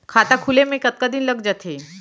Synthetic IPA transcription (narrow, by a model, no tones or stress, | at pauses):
kʰat̪akʰulemẽkət̪̚kad̪inləɡd͡ʒət̪ʰe